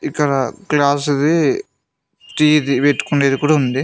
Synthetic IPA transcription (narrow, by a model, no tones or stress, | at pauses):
ikːɐɽɐklaːs̬d̪i | ʈiːd̪ipeʈːu̥kuɳɖeːd̪ikuːɽaund̪i